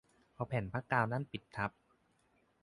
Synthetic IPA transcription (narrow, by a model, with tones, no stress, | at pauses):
pʰɔ˧pʰɛː˩˦npʰa˦˥kːaː˧wna˦˥˨npi˨˩t̪̚t̪ʰːa˦˥p̚